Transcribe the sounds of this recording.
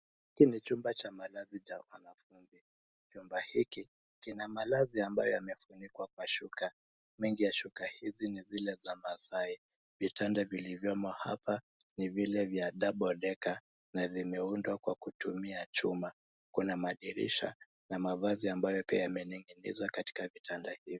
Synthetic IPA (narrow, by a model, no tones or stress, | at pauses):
hikinit͡ʃumbat͡ʃamalazit͡ʃawanafunzi | t͡ʃumbahiki | kinamalaziambajɔjamɛfunikwak̚waʃuka | miŋɡijaʃukahizinizilɛzamasai | vitandavilivjɔmɔha̰pa | nivilɛvjaɗaɓɔlɛka | navimɛundwakwakutumiat͡ʃuma | kunamaɗiɾḭʃa̰ | namavaziambajɔpiajamɛniŋɡinḭzwakati̥kavitʰandahivj